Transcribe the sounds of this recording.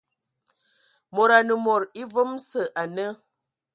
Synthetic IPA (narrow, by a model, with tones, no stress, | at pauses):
mo˨ɾa˨nə˨mo˨ɾi˦və˦msə˨ʔa˨nə˦